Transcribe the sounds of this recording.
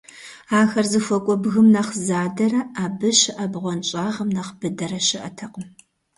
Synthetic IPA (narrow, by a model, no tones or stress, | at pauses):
aːxɐrzɨfʷɔkʷʼɔbɣɨmnɐχzaːdɐɾɐaːbɨʃɪʔɐbʁʷɔnt͡ʃʼaːʁɐmnɐχb̥ɨdɐɾɐʃɪʔɐtʰɐqʼm